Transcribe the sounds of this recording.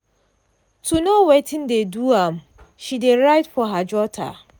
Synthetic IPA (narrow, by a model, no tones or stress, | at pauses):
tʰunowetʰɪ̃ndeduam | ʃideɹajtfɔɦad͡ʒɔtʰa̰